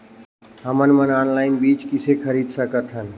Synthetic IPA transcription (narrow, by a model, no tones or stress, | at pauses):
ɦəmənmənaːnlaːɪnbiːt͡ʃkɪsekʰəɾiːd̪səkət̪ʰɦən